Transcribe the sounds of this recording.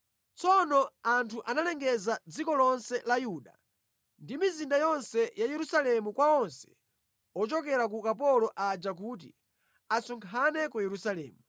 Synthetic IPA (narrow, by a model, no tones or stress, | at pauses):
t͡sɔnɔantʰuʔanalɛŋɡɛzad͡zikɔlɔnsɛlajuːɗa̰ | ndimizindajɔnsɛjajɛɾusalɛmukwaɔnsɛ̥ | ɔt͡ʃɔk̬ɛɾak̬ukapɔlɔʔad͡ʒak̬uːt̬ḭ | asɔŋkʰanɛkujɛɾusalɛːmu